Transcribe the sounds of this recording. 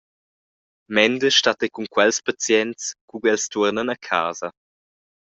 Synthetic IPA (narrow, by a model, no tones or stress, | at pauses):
mɛndəʃtatɛkuŋkwɛlspat͡sjɛntskuɡɛlstuɾnənəkʰa̰ːzɐ